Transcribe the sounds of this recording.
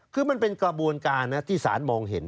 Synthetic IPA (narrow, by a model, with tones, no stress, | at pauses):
kʰɯː˧ma˧npe˧nkla˧bu˧ənkaː˧nːa˦˥t̪ʰiː˥˩sa̰ː˩˦nmɔː˧ŋɦe˩˦n